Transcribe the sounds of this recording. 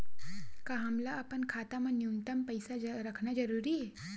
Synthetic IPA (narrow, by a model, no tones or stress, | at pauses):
kaɦɐmlaɐpənkʰaːt̪amanjunt̪əmpəjsaɾɐkʰnad͡ʒɐɾuːɾie